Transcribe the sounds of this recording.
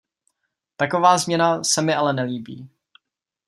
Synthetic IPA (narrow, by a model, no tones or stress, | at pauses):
t̪ako̞vaːzmɲɛnasɛmɪʔalɛnɛliːbḭː